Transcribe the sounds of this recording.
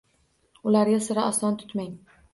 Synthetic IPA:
ʊlaɾɡʲasɪɾɪaslˠɒnt̪ʰʊ̥t̪maŋ

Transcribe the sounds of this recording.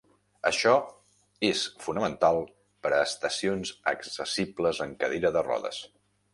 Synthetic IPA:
ə̰ʃɔ | esfunəmənt̪alˠ | pəɾəːst̪əsionzəksəsipləzəŋkəðeɾəðərɔ̰ðə̰s

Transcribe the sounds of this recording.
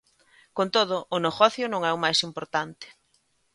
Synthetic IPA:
kont̪oð̞ʊʔːnoɣɔθjʊnõŋɛwmajsimpoɾt̪ant̪ɪ̥

